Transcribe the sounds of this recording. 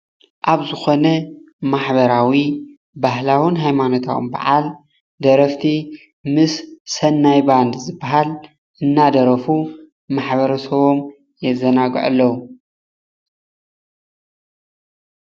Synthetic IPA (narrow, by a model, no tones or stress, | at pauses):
ʔaβzɨxo̞nɐ | maħbɐɾawi | baɦlawɨnɦajmano̞t̪ʰa̰wṵmba̰ʕal | d̪ɐɾɐft̪ʰi | mɨsːɐnːajband̪zɨbːaɦal | ʔɨnːad̪ɐɾɐfu | maħβɐɾɐsɐβo̞m | jɛzɐnaɡ̰ʕa̰lːɐwu